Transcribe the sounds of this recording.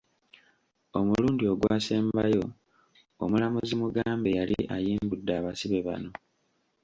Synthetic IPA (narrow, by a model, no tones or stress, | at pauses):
omuluːndio̞ɡwaːseːmbajo̞ | o̰mulamuzimuɡaːmbe̞jaliʔajiːmbudːaːβasiβe̞βa̰no̞